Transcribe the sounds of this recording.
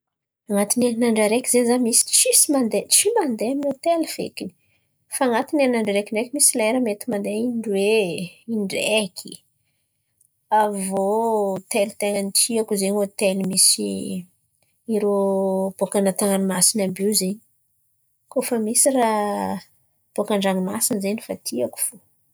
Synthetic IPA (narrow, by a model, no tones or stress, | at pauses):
aŋat̪inanaɳɖ͡ʐaɾekizezamisi̥t͡ʃisimand̪eʈ͡ʂimand̪eaminot̪eliv̥ḛkini̥ | faŋat̪inanaɳɖ͡ʐaɾekiɳɖ͡ʐekimisilaeɾamet̪imand̪eiɳɖ͡ʐweiɳɖ͡ʐekʰi̥ | avot̪elit̪eŋanit͡siakuzenot̪elimisi | iɾob̥okanat̪aŋanimasinabiuzeɲi̥ | kofəmisira | b̥okaɳɖ͡ʐaŋimasinzenifat̪ʰiaku̥fo